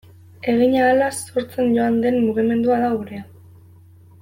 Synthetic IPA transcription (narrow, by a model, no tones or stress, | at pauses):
e̞ɣ̞iɲaːlaso̞ɾt͡se̞nɟo̞and̪e̞nːuɣ̞ime̞nd̪uaðauɾea